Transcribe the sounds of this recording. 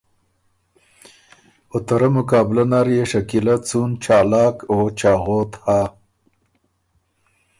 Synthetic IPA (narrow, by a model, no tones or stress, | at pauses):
ot̪ɐɾɐmʊkɑːblɐnaɾjeʂɐkilɐt͡sunt͡ʃɑːlɑːkot͡ʃaːɣoːt̪haː